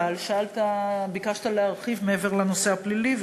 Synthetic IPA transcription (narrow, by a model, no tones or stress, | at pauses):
alʃaalt̪abikaʃt̪aleaʁχivmeeveʁleno̞se̞apliliv